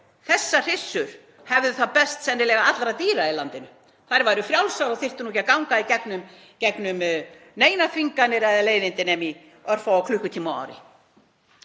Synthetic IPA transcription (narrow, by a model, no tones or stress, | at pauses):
θɛsːar̥ɪsːʏɾ̥ | hɛvðʏθaðpɛst̪sɛnːɪlɛɣaat̪lɾat̪iːɾailant̪ɪnʏ | θajɾvajɾʏfɾjawlsaɾɔɣθɪr̥t̪ʏnuːç̬cːakawŋkaicɛknʏm | cɛknʏm | neːjnafiŋkanɪɾɛðaleːjðɪnt̪ɪnɛmi | œr̥faakʰlʏhkʏt̪ʰiːmaa̰wɾɪ̰